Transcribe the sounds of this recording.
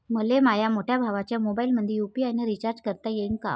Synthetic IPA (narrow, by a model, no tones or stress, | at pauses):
məlemajamoʈʰjabʱaʋat͡ɕjamobailməd̪ʱjejupiajnəɾit͡ɕaɾd͡ʑkəɾt̪ajenka̰